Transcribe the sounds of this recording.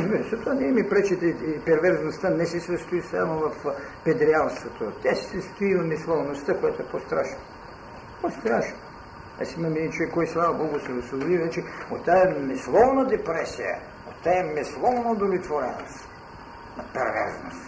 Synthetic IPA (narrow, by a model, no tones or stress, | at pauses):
zmɛzat̪ovanɛmɛpɾɛt͡ʃit̪ɛpɛɾvɛɾznost̪anɛsɛsɐst̪uisa̰movɐf | pɛd̪ɾialˠst̪vot̪ot̪ʲːasi̥səst̪uivɐmislˠɔvnost̪akojat̪oɛpost̪ɾaʃno | post̪ɾaʃno | a̰simɐmɛt͡ʃoɛkːɔjislˠavɐbɔɡʊsɛɾosvobod̪ivɛt͡ʃɛot̪ːaɛmɛslˠɔvnɐd̪ɛpɾɛsijə̰ | ot̪ːaɛmɛslˠɔvnɐod̪oblʲit̪voɾɛ̰nost̪ | nɐpɛɾvɛ̰ɾzno̰st̪